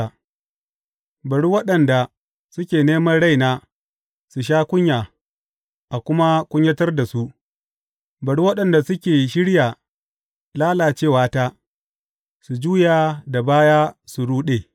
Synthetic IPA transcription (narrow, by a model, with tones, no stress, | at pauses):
a˨ | bɐ˨ɽu˦wɐ˦ɗɐ˨nda˨ | sʊ˦kʲeː˨neː˦mɐ˦rɽa˦˨jnaː˦ | su˨ʃ̬aː˦kʷʊ˦ɲjaː˨ | ʔa˨kʷʊ˦ma˦kʷʊ˦ɲjɐ˦tɐ˦rda˨su˦ʔ | bɐ˨ɽu˦wɐ˦ɗɐ˨nda˨sʊ˦kʲeː˨ʃɪ˦ɽjaː˨ | laː˦laː˨t͡ʃeː˦˨waː˦taː˦ | su˨d͡ʒuː˦jaː˨da˨baː˦jaː˦su˨ɽuː˦ɗe˨